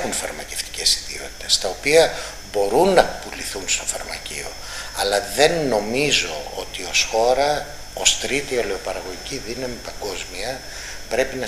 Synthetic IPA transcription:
unfɐɾmɐceft̪i̥ce̞siðio̞t̪i̥t̪est̪ɐo̞piɐ | bo̞ɾunːɐpuliθunst̪o̞fɐɾmɐcio̞̰ | ɐlɐðe̞nːo̞mizo̞o̞t̪io̞sxo̞ɾɐ | o̞st̪ɾit̪iole̞opɐɾɐɣo̞ʝiciðinɐmipɐŋɡo̞zmiɐ | pɾe̞pinɐ

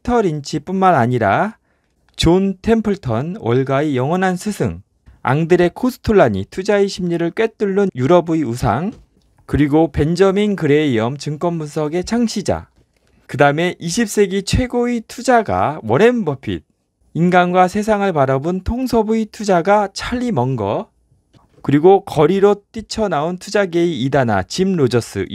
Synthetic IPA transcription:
tʰʌɾint͡ɕʰip͈unmanaɲiɾa̰ | t͡ɕontʰe̞mpʰɯɭtʰʌnwʌ̰ɭɡaijʌŋɦʌnansʰɯsʰɯ̰ŋ | a̰ŋdɯɾe̞kʰosʰɯ̥tʰoɭːaɲḭtʰud͡ʑaiɕʰimɲiɾɯɭk͈we̞t͈uɭːɯnjuɾʌbuiusʰa̰ŋ | kɯɾiɡope̞nd͡ʑʌminkɯɾe̞iʌmt͡ɕɯŋk͈ʌnbunsʰʌɡe̞t͡ɕʰaŋɕʰid͡ʑa̰ | kɯdaɯme̞ʔiɕʰip̚s͈e̞ɡit͡ɕʰwe̞ɡoitʰud͡ʑaɡa̰wʌɾe̞nbʌpʰḭd̚ | inɡanɡwasʰe̞s̬ʰaŋɯɭpaɾabɯntʰoŋsʰʌbuitʰud͡ʑaɡat͡ɕʰaʎːimʌŋɡʌ | kɯɾiɡokʌɾiɾot͈it͡ɕʰʌnaontʰud͡ʑaɡe̞iːdana̰t͡ɕimɾod͡ʑʌs͈ɯ̰

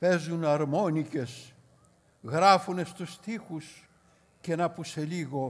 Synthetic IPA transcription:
pe̞zunɐɾmo̞nice̞s | ɣɾɐfune̞st̪ust̪ixus | ce̞nɐpuse̞liɣo̞

